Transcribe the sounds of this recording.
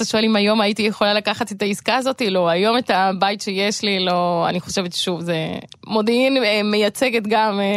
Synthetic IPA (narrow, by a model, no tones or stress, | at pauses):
aʃo̞e̞limajo̞maitijeχo̞lalakaχatetaiskaːzo̞tilo̞ajo̞me̞tabajtʃeje̞ʃlilo̞a̰niχo̞ʃe̞vetʃuvze | mo̞d̪einme̞jat͡se̞ɡe̞tɡam